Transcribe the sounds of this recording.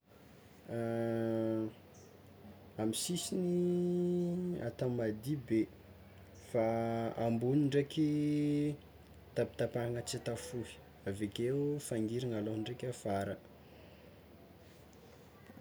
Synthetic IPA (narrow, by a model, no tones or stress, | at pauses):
amisisini | a̰t̪ammːad̪ibe | faambuniɳɖ͡ʐekʲi | t̪api̥t̪apaaŋət͡sit̪afui̥ | avekeufaŋɡiɾiŋaloɳɖ͡ʐekʲafaɾə